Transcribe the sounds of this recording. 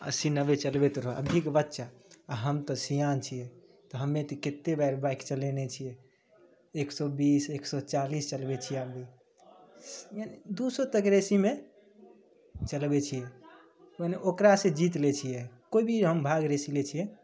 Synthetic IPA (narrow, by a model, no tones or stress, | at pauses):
ə̰sinəbet͡ʃəlbet̪ɾɔɦə̰bʱikbətːʃaːɦəmt̪ɔsijant͡ʃʰijɛ | t̪ɔɦəmːet̪iket̪ːebaɪɾbaikt͡ʃəlenet͡ʃʰijɛ | eksɔbiseksɔt͡ʃalist͡ʃəlbet͡ʃʰijɛabi | janid̪usot̪əkɾesime | t͡ʃəlbet͡ʃʰijɛ | əneʔokɾasẽd͡ʒit̪let͡ʃʰijɛkoibʱiɦəmbʱaɡɾesilet͡ʃʰijɛ